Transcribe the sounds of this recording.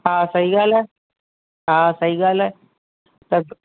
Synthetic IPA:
ɦãːsɐɦiɡaːlɦɛː | ɦãːsɐɦiɡaːlɦɛː | t̪ɐ

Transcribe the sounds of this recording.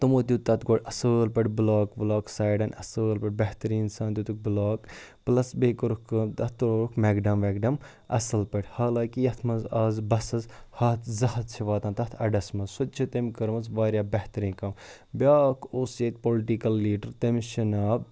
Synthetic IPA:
t̪ɐmoːt̪̬ʲjut̪ɐt̪ɡoːʈʲɐsəːlpɐʈʲblaːkblaːksaːjɖɐnɐsəːlpɐʈbɐht̪ɐɾĩːnsaːnt̪ʲut̪uk̚blaːkplɐsbeːkɐɾukɐmt̪ɐt̪ːɾoːɾukmeɡɖɐmʋeːɡɖɐm | ɐ̰sɐlpɐʈʲhaːlãːkijɐt̪ʰmɐnzaːzbɐsɐzhɐt̪ʰzɐhɐt̪̚t͡ʃʰiʋaːt̪ɐːnt̪ɐt̪ʰɐɖɐsmɐzsot̪̚t͡ʃʰit̪emkɐɾmɐzʋaːɾʲjaːbɐht̪ɐɾĩːkɐm | bʲaːkʰoːset̪̚ʲpoːlʈikɐlːiːɖɐɾt̪emʃɐnaːb̚

